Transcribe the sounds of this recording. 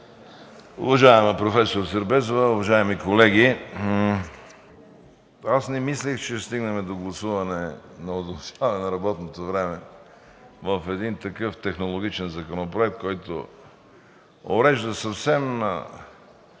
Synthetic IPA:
ʊ̰vɐʒaɛmɛpɾofɛsoɾsɛɾbɛzovɐʊvɐʒaɛmikolɛɡʲi | asnɛmislixt͡ʃɛst̪iɡnɐmɛd̪oɡlˠɐsuvɐnɛnɐod̪olˠʃavɐnɛnɐɾɐbɔt̪not̪ovɾɛmɛ | vəfɛd̪int̪ɐkɤft̪ɛxnolˠoɡ̟it͡ʃɛnzɐkonopɾoɛk̚t̪̚kɔjt̪o̰ | o̰ɾɛʒd̪əsɐfsɛmnɐ̰

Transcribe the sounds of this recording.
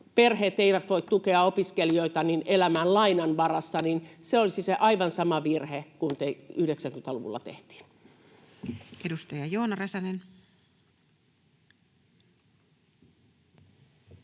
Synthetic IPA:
perheːt̪eiʋæt̪ʋoit̪t̪ukeɑopiskelioit̪ɑninelæmællɑinɑnʋɑrɑsːɑninseolisiseʔɑiʋɑnsɑmɑʋirhekunt̪eyhɾeksæŋkymet̪ɑlṵʋṵlːˑɑ̰t̪ḛht̪i̥ːn̥ | edust̪ɑjɑjoːnɑrɑsɑnen

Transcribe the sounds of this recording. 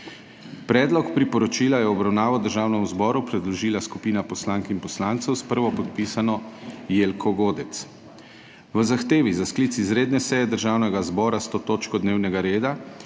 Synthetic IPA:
pɾɛːd̪lɔkpɾipɔɾɔt͡ʃiːlajɛɔbɾawnaːʋɔd̪əɾʒaːwnɛmuzbɔːɾupɾɛd̪lɔʒiːlaskupiːnapɔslaŋkinpɔslant̪sɛwspəɾʋɔpɔt̪piːsanɔjeːlkʰɔɡoːd̪ɛt̪s | ʋəzaxt̪eːʋizaskliːt̪sizɾeːd̪nɛsɛjɛd̪əɾʒaːwnɛɡazbɔːɾast̪oːt̪oːt͡ʃkɔd̪neːwnɛɡaɾeːd̪a

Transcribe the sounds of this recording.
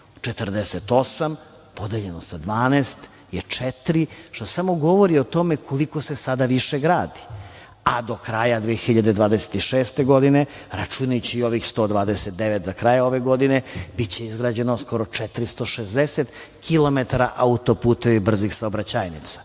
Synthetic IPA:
t͡ʃet̪ərd̪eset̪o̞sam | po̞d̪eʎe̞nosad̪ʋaːnest̪ | jet͡ʂet̪ɾiʃt̪osamo̞ɡo̞ʋoɾiot̪o̞mekʰoliko̞sesad̪aʋiʃeɡɾaːd̪i̥ | ad̪o̞kɾajad̪ʋeːxiʎad̪e̞d̪ʋaːd̪eset̪iʃeːst̪e̞ɡo̞d̪ine̞ | ɾat͡ʃunajut͡ɕiio̞ʋixst̪o̞d̪ʋaːd̪eset̪̚d̪eʋet̪zakɾajao̞ʋeɡo̞d̪inebit͡ɕe̞izɡɾaːd͡ʑe̞nosko̞ɾo̞t͡ʂɛt̪ɾist̪oʃezd̪eset̪ | kʰilo̞met̪aɾaʔaut̪o̞puːt̪eʋibr̩zixsaobɾat͡ɕajnit̪sḁ

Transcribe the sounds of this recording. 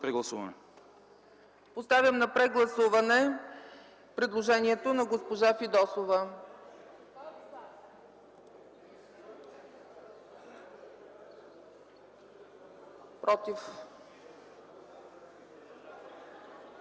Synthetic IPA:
pɾɛɡlˠɐsuvɐnɛ | post̪avʲjəmnɐpɾɛɡlˠɐsuvɐnɛ | pɾɛd̪lˠoʒɛniɛt̪onɐɡospoʒafid̪ɔsovə | pɾʔɔt̪if

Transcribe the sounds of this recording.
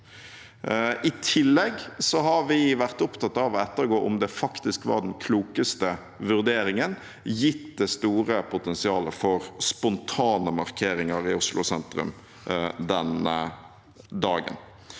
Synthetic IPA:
ʔɪt̪ʰɪlːɛɡsɔɦɑɾʋɪʋæʁt̪ʊpt̪ɑt̪ːɑʋɔɛt̪ːəɾɡoːʔʊmd̪ɛfɑkt̪ɪskʋɑ̰ːd̪ɛnkʰluːkəst̪ə | ʋʉʁd̪eːɾɪŋən | jɪt̪d̪ɛst̪uːʁəpʰʊt̪ɛnsɪɑːləfɔʁspʊnt̪ʰɑːnəmɑʁkʰeːɾɪŋəɾɪʊslʔʊ̰sɛnt̪ɾʉ̰m | d̪ɛnə | d̪ɑːɡə̰n

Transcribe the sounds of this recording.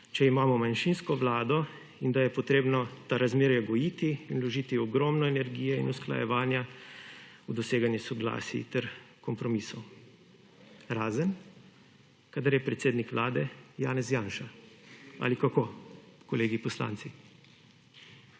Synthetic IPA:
t͡ʃɛimaːmɔmanʃinskɔʋlaːd̪ɔ | ind̪ajɛpɔt̪ɾeːbnɔt̪aɾazmeːɾjɛɡɔjiːt̪iːnlɔʒiːt̪iɔɡɾɔːmnɔɛnɛɾɡiːjɛḭnuskla̰jɛ̰ʋaːnja | ud̪ɔseːɡanjɛsɔɡla̰ːsḭt̪ɛɾkɔmpɾɔmisɔw | ɾaːzən | kaːd̪aɾjɛpɾɛt̪seːd̪nikʋlaːd̪ɛjaːnɛzjaːnʃa | a̰likakoːkɔleːɡipɔsla̰ːnt̪si

